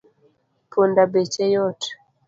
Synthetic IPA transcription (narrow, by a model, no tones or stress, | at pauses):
pʰondabet͡ʃɛjɔt